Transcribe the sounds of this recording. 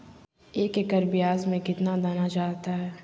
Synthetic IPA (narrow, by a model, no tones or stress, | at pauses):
eːkekəɾbijaːzmẽkɪt̪nad̪aːnad͡ʒaːt̪aɦɛː